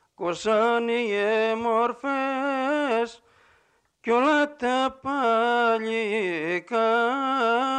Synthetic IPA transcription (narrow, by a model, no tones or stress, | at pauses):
kosanijemoɾfe | s | kjolat̪apaʎika